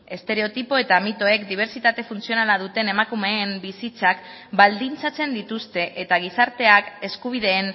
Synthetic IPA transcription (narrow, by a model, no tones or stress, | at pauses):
e̞st̪e̞ɾe̞o̞t̪ipo̞e̞t̪amit̪o̞e̞kd̪iβ̞e̞ɾt͡sit̪at̪e̞funt͡sio̞nalað̞ut̪e̞ne̞makume̞ːmbisit͡sak | bald̪int͡sat͡se̞nd̪it̪ust̪e̞ʔet̪aɣ̞isaɾt̪e̞ake̞skuβ̞iðe̞ːn